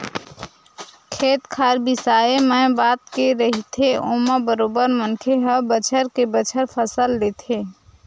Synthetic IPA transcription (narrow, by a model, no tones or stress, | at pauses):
kʰeːt̪kʰaːɾbɪsaːemɛ̃baːt̪̚keɾəɦit̪ʰeʔoməbəɾoːbəɾməŋkʰeɦəbət͡ʃʰəɾkebət͡ʃʰəɾpʰəsəld̪eːt̪ʰeː